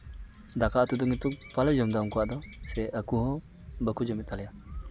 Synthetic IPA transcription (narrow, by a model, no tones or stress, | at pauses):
d̪akat̪ud̪uŋit̪uk̚paləd͡ʒɔmd̪awŋkuwaʔd̪ɔsɛəkuɦɔ̃ | bəkud͡ʒɔmit̪ʰːalja